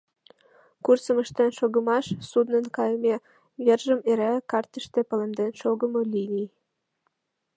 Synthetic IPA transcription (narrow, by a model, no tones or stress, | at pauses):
kursə̆məʃt̪enʃoɣə̆mɑʃsud̪nənkɑjəme | βerʒəmeɾækɑrt̪əʃt̪epə̆lemd̪enʃoɣə̆molinʲi